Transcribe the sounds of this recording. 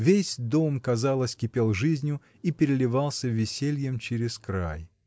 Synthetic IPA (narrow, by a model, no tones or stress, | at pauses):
vʲesʲd̪o̞mkɐzalˠəsʲkʲɪpʲelˠʐɨzʲnʲjʊ | ipʲɪɾʲɪlʲɪvalˠsʲəvʲɪsʲelʲjəmt͡ɕɪɾʲɪskɾa̰j